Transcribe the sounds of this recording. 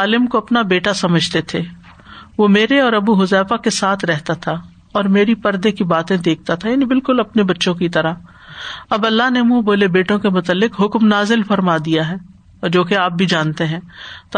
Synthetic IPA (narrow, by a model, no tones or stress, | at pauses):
aːlɪmkoɐpnabeːʈasɐməd͡ʒʱt̪et̪ʰeː | ʋoːmeːɾeɔːɾɐbuɦʊzɛːfakesaːt̪ʰɾɛɦt̪at̪ʰa | ɔːɾmeːɾipɐɾd̪ekibaːt̪ẽd̪eːk̚ʰt̪at̪ʰajaːnibɪlkʊlɐpnebɐtːʃõkit̪ɐɾaɦ | ɐbɐlːaɦnemũboːlebeːʈõkemʊt̪əlːɪkɦʊkmnaːzɪlfɐɾmad̪ijaɦɛː | ɔːɾd͡ʒoːkeaːp̚bʱid͡ʒaːnt̪eɦɛ̃ːt̪